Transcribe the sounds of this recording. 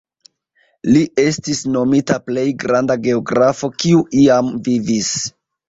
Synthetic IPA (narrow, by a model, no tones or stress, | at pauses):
liʔe̞stisno̞mitaple̞jɡɾandaɡe̞o̞ɡɾafo̞kiuʔiamvivis